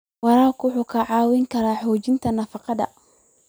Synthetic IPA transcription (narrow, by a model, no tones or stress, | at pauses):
wɑɾaːkʊħukʰɐʕaːwɪŋkʰɐɾaːħɔːt͡ʃɪnt̪ʰɐnɐfɑqɑd̪ɐ̰